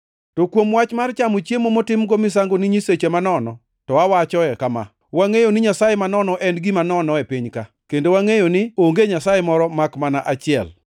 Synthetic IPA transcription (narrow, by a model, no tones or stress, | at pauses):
tokwomwat͡ʃmart͡ʃamot͡ʃemomotɪmɡomɪsaŋɡonɪɲiset͡ʃemanɔnɔ | tɔawat͡ʃɔɛkama̰ | waŋejonɪɲasajemanɔnɔʔɛnɡɪmanɔnɔɛpiɲka | kendowaŋejonɪoŋɡeɲasajemɔɾɔmakmanaʔat͡ʃɪɛ̰l